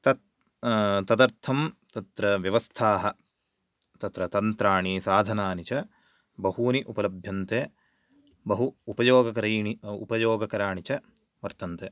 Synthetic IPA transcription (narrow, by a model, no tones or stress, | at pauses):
t̪ɐt̪̚ | t̪ɐd̪ɐɾt̪ʰɐmt̪ɐt̪ɾɐʋjɐʋɐst̪ʰaːɦɐ | t̪ɐt̪ɾɐt̪ɐnt̪ɾaːɳisaːd̪ʱɐnaːnit͡ʃɐ | bɐɦhuːniʔupɐlɐbʱjɐnt̪eː | bɐɦuːpɐjoːɡɐkɐɾiːiṵpɐjoːɡɐkɐɾaːɳit͡ʃɐ | ʋɐɾt̪ɐnt̪eː